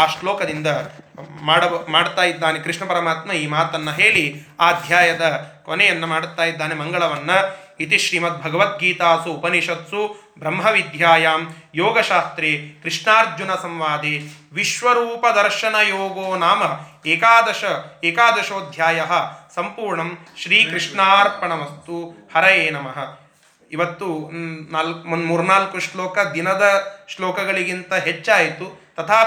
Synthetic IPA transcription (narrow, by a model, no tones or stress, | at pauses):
aːʂʈloːkɐd̪ind̪ɐmaːɽɐmaːɽt̪aːjid̪ːaːnekɾiʂɳɐpɐɾɐmaːt̪mɐiːmaːt̪ɐnːɐɦeːɭiaːd̪ʱjaːjɐd̪ɐkonɛjɐnːɐmaːɽt̪ːaːjid̪ːaːnemɐŋɡɐɭɐʋɐnːɐit̪iʃɾiːmɐt̪̚bʱɐɡɐʋɐt̪̚ɡiːt̪aːsuːpɐniʃɐt̪su | bɾɐmɦɐʋid̪ʱjaːjaːmjoːɡɐʃaːst̪ɾekɾɨʂɳaːɾd͡ʒjunɐsɐmʋaːd̪e | ʋiʃʋɐɾuːpɐd̪ɐɾʃɐnɐjoːɡoːnaːmɐɦeːkaːd̪ɐʃɐeːkaːd̪ɐʃoːd̪ʱjaːjɐɦɐ̆sɐmpuːɾɳɐmʃɾiːkɾiʂɳaːɾpɐɳɐmɐst̪uhɐɾɐjeːnɐmɐɦɐ̆ | iʋɐt̪ːunaːlmmuːɾunaːlkuʃloːkɐd̪inɐd̪ɐʃloːkɐɡɐɭiɡint̪ɐɦet͡ʃːaːjt̪ut̪ɐt̪ʰaː